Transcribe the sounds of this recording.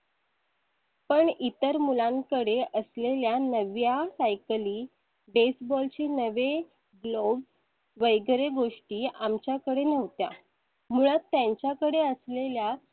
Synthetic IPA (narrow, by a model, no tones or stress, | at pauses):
pəɳit̪əɾmulãŋkəɽeʔəsleljanəʋjalajkliː | ɖesbɔlt͡ɕiːnəʋe | ɡlob | ʋəjɡɾeɡoʂʈiːamt͡ɕjakəɽenəʋt̪ja̰ | m̤uɭ̃at̪ːjãɲt͡ɕjakəɽeəslelja